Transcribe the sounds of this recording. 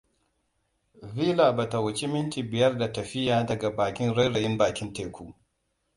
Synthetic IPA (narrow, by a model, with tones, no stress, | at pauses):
viː˦laː˨ba˨ta˨wɐ˨t͡ʃi˦mɪ˦ntiː˨bɪ˨jɐ˦rda˨tɐ˨ɸɪ˦jaː˨dɐ˨ɡa˨baː˨kʲɪ˦nɽɐ˦jɽɐ˨jɪ˦mbaː˨kʲɪ˦nteː˦kʷuː˦